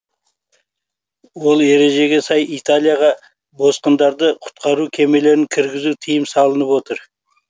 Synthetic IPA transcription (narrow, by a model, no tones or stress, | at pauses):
wo̞lˠe̞ɾe̞ʒe̞ɡʲe̞sɑjʔijt̪alʲˠijaʁɑ | bo̞sqənd̪ɑɾd̪əqʰʊ̥t̪qʰɑɾukʲʰe̞me̞le̞ɾɪŋkʲʰɪɾɡʲɪzut̪ʰijɪmsɑlˠənəpwo̞t̪əɾ